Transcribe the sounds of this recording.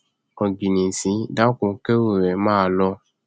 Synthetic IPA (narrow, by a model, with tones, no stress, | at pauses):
ɔ˨ɡi˨nĩ˨n̩˨sĩ˨˦da˨˦kũ˨˦ke˦wo˨ɾɛ˨mãː˦˨˦lɔ˧˦